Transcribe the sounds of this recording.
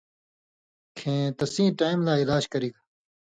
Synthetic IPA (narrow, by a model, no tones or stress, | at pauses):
kʰẽːt̪ɐsĩːʈaːimlaːɪlaːd͡ʒkɐɾiːɡa